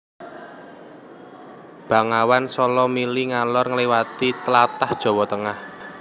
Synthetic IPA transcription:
b̥a̤ŋawansɔlɔmiliŋalɔrŋəliwat̪it̪əlat̪ahd̥ʒ̥ɔ̤wɔt̪əŋah

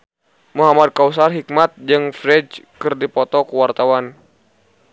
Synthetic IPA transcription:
muɦamad̪̚kaus̬arɦik̚mat̪̚d͡ʒɨŋfɾɛd͡ʒkɨrdipɔt̪ɔkuwart̪awan

